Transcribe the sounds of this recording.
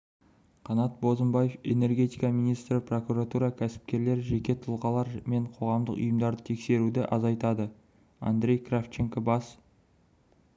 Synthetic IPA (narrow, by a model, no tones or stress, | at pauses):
qʰɑnɑt̪̚bo̞zəmbɑjefe̞ne̞rɡʲe̞t̪ijkɑmijnijst̪ɾɪpro̞kuɾat̪uɾɑkʲʰæsɪ̥p̚kʲe̞ɾle̞ɾɪʒe̞kʲe̞t̪ʰʊlˠʁɑlˠɑɾme̞ɴqʰo̞ʁɑmd̪əqʊ̰jəmd̪ɑɾd̪ət̪ʰe̞kse̞ɾud̪ɪʔɑzɑjt̪ɑd̪ə | a̰nd̪ɾʲe̞jkraft͡ʃeŋkabɑs